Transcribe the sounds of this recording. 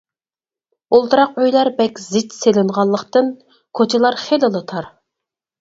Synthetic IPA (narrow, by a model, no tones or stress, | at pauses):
olˠt̪ɨɾɑqøjlˠɑɾbɛkʲzɪt͡ʃselɪnʁɑlˠːəqt̪ɨn | kʰot͡ʃʰɪlˠɑɾχelɨlˠɨt̪ʰɑɾ